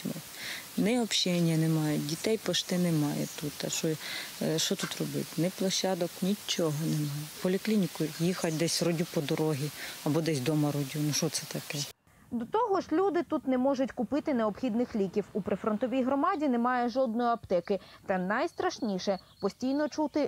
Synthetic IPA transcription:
mɪ | nɛɔpʃɛnʲjɐnɛmɑjʊdʲit̪ɛjpɔʃt̪ɪnɛmɑjɛ̰t̪ut̪ɐʃɔʃɔt̪ut̪rɔbɪ̰tʲnɛplˠɐʃʲɑd̪ɔknʲit͡ʃːɔɦɔnɛmɑjʊpɔlʲiklʲinʲikʊjixɐt̚ʲd̪ɛsʲrɔdʲupɔd̪ɔɾɔɦʲiɐbɔd̪ɛsʲd̪ɔmɐɾɔdʲunuʃɔt̪sɛt̪ɐkɛ | d̪ɔt̪ɔɦɔʒlʲud̪ɪt̪ut̪nɛmɔʒʊtʲkʊpɪt̪ɪneɔbxʲid̪nɪxlʲikʲiwupɾɪfɾɔnt̪ɔʋʲijɦɾɔmɑdʲinɛmɑjɛʒɔd̪̚nɔjiɐpt̪ɛkɪt̪ɐnɐjst̪ɾɐʃnʲiʃɛpɔsʲtʲijnɔt͡ʃut̪ɪ

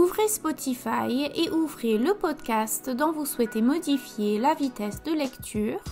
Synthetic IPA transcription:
uvʁespɔt̪ʰifajeʔuvʁeləpɔd̪kʲast̪d̪ɔ̃vuswɛt̪emɔd̪ifjelavit̪ɛsd̪əlɛkt̪ʰyːʁ

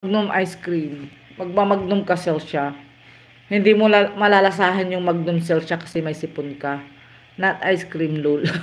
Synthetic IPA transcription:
ɡ̚nomʔajskɾim | mɐɡ̚mamɐɡ̚nomkɐsalʃa | hɪnd̪imomɐlalɐsaːɦɐnjʊŋmɐɡ̚noms̬ɛlʃakɐ̥sɛmɐjsɪpʊnka | nat̪ʔajskɾimlʊl

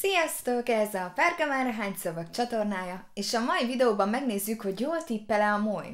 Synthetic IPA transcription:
sijɒst̪o̞kɛzɛɒfɛrɡɒmaːɾɒɦaːɲsovɒkt͡ʃɒt̪o̞rnaːjɒeːʃɒmɒivid̪ɛoːbɒmːɛɡneːzːykho̞ɟjoːlt̪ipːɛlɛɒmoːj

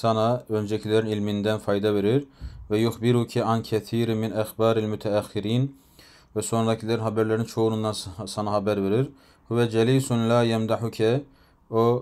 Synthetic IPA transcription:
sɑnɑø̞nd͡ʒɛcʰilʲæɾinilʲmind̪ænfɑjd̪ɑveɾiɾvɛjuxbiɾucʰiʔancʰɛθiːɾmːinæxbaːɾælmyt̪ʰɛæxːiɾiːn | vɛso̞nɾad̪ɑcʰilʲæɾinɦɑbæɾlæɾint͡ʃʰo̞unund̪ɑnsɑnɑɦɑbæɾveɾiɾ | huvɛd͡ʒɛliːsunlaːjɛmd̪aħucʰɛ | o

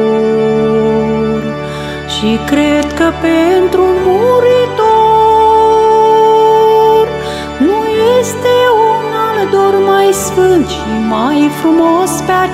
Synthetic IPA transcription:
r | ʃikɾed̪kəpent̪ɾumuɾit̪o | r | nujest̪e̞unaled̪ormajsfɨnd̪ʃimajfɾumospea

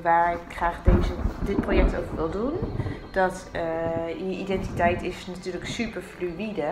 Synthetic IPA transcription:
ʋaːɹɪkχraːχdejzədɪt̚projɛk̚to̰wkʋɪlˠdund̥ɔtəjəʔidɛntitɛjtɪsnatyːləksypəɹflyidə

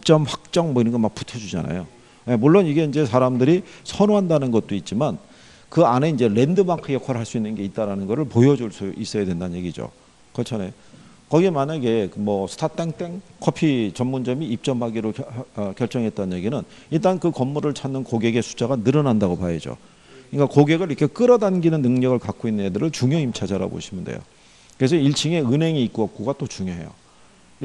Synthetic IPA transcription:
ip̚t͡ɕ͈ʌmɸwak̚t͡ɕ͈ʌŋmʌinɯnɡemak̚p͈u̥tʰʌd͡ʑud͡ʑa̰na̰jo | jemuɭːoniɡe̞ind͡ʑe̞sʰaɾamdɯɾisʰʌnoɦandanɯnɡʌt̚t͈oit̚t͡ɕ͈iman | kɯane̞ind͡ʑe̞ɾe̞ndɯmakʰɯjʌkʰaɾɭɦaɭs͈uinːɯnɡe̞it͈̚aɾanɯnɡʌɾɯɭpojʌd͡ʑuɭs͈uʔis͈ʌjadwe̞ndannɲje̞ɡid͡ʑo̰ | kʌt͡ɕʰʌne̞ | kʌɡiemanaɡe̞mʌsʰɯ̥tʰat͈eŋt͈eŋkʰʌpʰit͡ɕʌmːund͡ʑʌmiːp̚t͡ɕ͈ʌmbaɡiɾokjʌɭt͡ɕ͈ʌŋɦe̞t̚t͈anje̞ɡinɯn | iɭt̬͈ankɯkʌmːuɾɯɭt͡ɕʰanːɯnkoɡe̞ɡe̞sʰu̥t͡ɕ͈aɡanɯɾʌnandaɡopajed͡ʑo̰ | kɯɲik͈akoɡe̞ɡɯɾikʰe̞k͈ɯɾʌdanɡinɯnːɯŋɲʌɡɯɭkak͈oinːɯnedɯɾɯɭt͡ɕuŋjʌimt͡ɕʰad͡ʑaɾa̰bo̰ɕʰimundḛjo̰ | kɯesʰʌiɭt͡ɕʰiŋe̞ɯnɦe̞ŋiːk͈oʌk̚k͈oɡat͈ot͡ɕuŋjoɦe̞̰jo̰

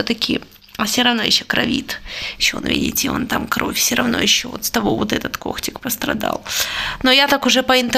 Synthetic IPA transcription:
ot̪ɐkʲɪ | ɐfsʲoɾɐvno̞jɪɕːokɾɐvʲit̪ɪɕːo̰nvʲḭdʲɪ̰tʲɪo̞̰nt̪amkɾofʲfsʲəɾɐvno̞̰jɪɕːovo̰t̪st̪ɐbovot̪ɛt̪ət̪ko̞̰xtʲɪkpəst̪ɾɐ̰d̪a̰lˠnojat̪akʊʐɛpəɪnt̪

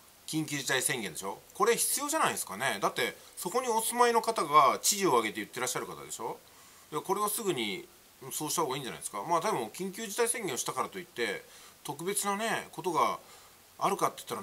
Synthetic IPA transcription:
kʲĩŋkʲɨːʑit̪aisẽ̞ŋɡẽ̞nd̪eɕo̞ko̞ɾe̞çi̥t͡sɨjo̞ːʑanaid̪sɨ̥kane̞d̪at̪ːe̞so̞ko̞ɲ̟io̞sɨmaino̞kat̪aɡat͡ɕiʑio̞aɡe̞t̪e̞jɯ̟t̪ːe̞ɾaɕːaɾɯ̟kat̪a̰d̪e̞̰ɕo̞ | jako̞ɾe̞β̞asɨɡɯ̟ɲ̟i | soːɕit̪aɦoɡaiːɲd͡ʑana̰id̪eska̰maːt̪ad̪ebo̞kʲĩŋk̬ʲɨːʑit̪aisẽ̞ŋɡʲẽ̞oɕi̥t̪akaɾat̪o̞it̪ːe̞t̪o̞k̬ɯ̟be̞t͡sɨnane̞ko̞t̪o̞ɡa | aɾɯ̟kat̪ːei̥ɯ̥t̪ːaɾa

